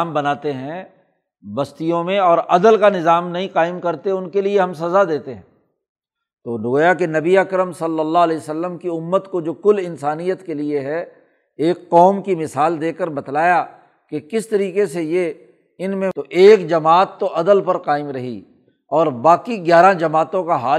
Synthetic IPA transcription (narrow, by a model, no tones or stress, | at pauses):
mbɐnaːt̪eɦɛ̃ | bɐst̪ijõmẽɔːɾɐd̪əlkanɪzaːmnɐɦĩqaːɪmkɐɾt̪eʊnkelieɦɐmsɐzad̪eːt̪eɦɛ̰̃ː | t̪oːnʊɡːjakenɐbiɐkɾəmsɐlːəlːaɦɐlɛːsəlːəmkiʊmːət̪kod͡ʒoːkʊlɪnsaːnijət̪kelieɦɛ | eːkːɔːmkimɪsaːld̪eːkəɾbɐt̪laːja | kekɪst̪ɐɾiːqeseje | ɪnmẽt̪oʔeːkd͡ʒɐmaːt̪ːoʔɐd̪əlpɐɾqaːɪmɾɐɦḭ | ɔːɾbaːkiɡjaːɾãd͡ʒɐmaːt̪õkaɦaː